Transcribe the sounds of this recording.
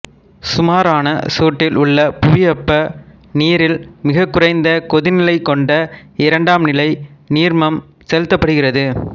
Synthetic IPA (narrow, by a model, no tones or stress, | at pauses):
sʊmaːɾaːnɐsuːʈːɪlʔʊɭːɐpʊʋɪjɐpːɐ | niːɾɪlmɪɣɐkːʊrɐɪnd̪ɐkɔðɪnɪlɐɪkːɔɳɖɐɪɾɐɳɖaːmnɪlɐɪniːɾmɐm | sɛlɪt̪ːɐpːɐɽɯɣɪrɐðɯ